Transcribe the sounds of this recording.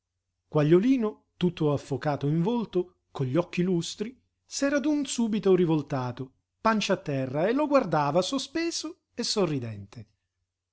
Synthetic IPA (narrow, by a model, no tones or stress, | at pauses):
kwaʎːoliːno | t̪ut̪ːoafːokaːt̪oiɱvolt̪o | koʎːɔkːilust̪ɾi | sɛːɾad̪unsuːbit̪orivolt̪aːt̪o | pant͡ʃaat̪ːɛrːaeloɡward̪aːvasospeːzo | esːorːid̪ɛnt̪ʰe